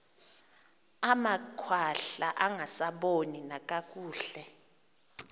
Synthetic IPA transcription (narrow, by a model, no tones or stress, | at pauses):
amakʰwaɬaʔaŋʱasaɓoninak̬ʼakʼuːɬɛ